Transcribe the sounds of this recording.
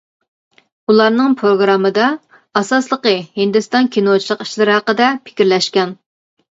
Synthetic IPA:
ulˠɑɾnɨŋpʰɾoɡɾɑmːɨd̪ɑ | ɑsɑslˠəqəhind̪ɨst̪ɑnkʲʰinot͡ʃʰilˠəqi̥ʃlɪɾɪhɑqəd̪ɛpʰɪ̥kʲiɾlɛʃkʲɛn

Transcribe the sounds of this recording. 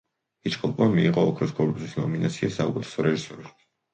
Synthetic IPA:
it͡ʃkʰʼɔpʼmamiiʁɔːkʰɾɔsɡɔɾbuzisnɔminat̪sʰiasauɡɛt̪ʰɛ̥sɔɾɛʒisɔɾi

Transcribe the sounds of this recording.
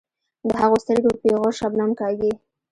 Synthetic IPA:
d̪əɦaɣost̪əɾɡopeɣoʃabnamkɑɡi

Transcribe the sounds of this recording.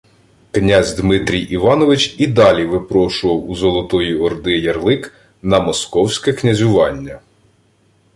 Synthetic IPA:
knʲazʲd̪mɪt̪ɾʲijiʋɑnɔʋɪt͡ʃid̪ɑlʲiʋɪpɾɔʃʊʋɐwuzɔlˠɔt̪ɔjiɔrd̪ɪjɐrlˠɪk | nɐmɔskɔwsʲkɛknʲɐzʲʊʋɑnʲːɐ

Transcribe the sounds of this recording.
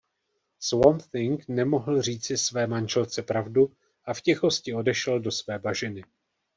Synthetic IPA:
swomθɪŋknɛmo̞ɦl̩riːt͡sɪsvɛːmanʒɛlt͡sɛpɾavdu | ʔafcɛxo̞scɪo̞dɛʃɛldo̞svɛːbaʒɪnɪ

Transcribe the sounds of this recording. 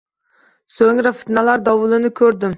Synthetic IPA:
soŋɾɪfɪ̥t̪nɛlaɾd̪ɑwʊlˠɪnɪkʲʰɵɾd̪ɪm

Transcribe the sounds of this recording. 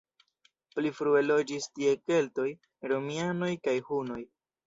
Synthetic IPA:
plifɾue̞lo̞d͡ʒistie̞ke̞lto̞j | ɾomiano̞jkajhuno̞j

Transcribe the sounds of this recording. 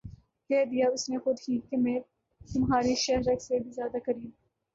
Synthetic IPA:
kɛːd̪ijaʊsnexʊd̪ɦikemɛ̃ː | t̪ʊmɦaːɾiʃɐɦɾɐksebʱizjaːd̪akɐɾĩː

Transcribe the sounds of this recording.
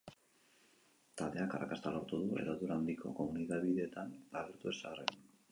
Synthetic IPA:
t̪ald̪e̞akarʔakast̪alo̞ɾt̪uðue̞̰ðoðuɾand̪ikʰo̞̰ko̞muniðaβiðeːt̪anlaɾiɾt̪ue̞sarḛn

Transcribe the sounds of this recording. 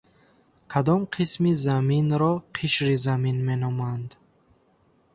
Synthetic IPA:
kʰad̪ɔmqʰismizaminɾɔqʰiʃɾizaminme̞nɔmand̪

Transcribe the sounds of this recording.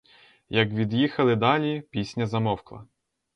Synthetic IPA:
jɐkʋʲid̪jixɐlˠɪd̪ɑlʲipʲisʲnʲɐzɐmɔwklˠɐ̰

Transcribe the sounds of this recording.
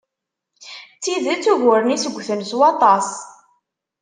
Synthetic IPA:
t͡sːiðət͡sːuɣʊɾənisəɡʷːθənswɑt̪ˤɑs

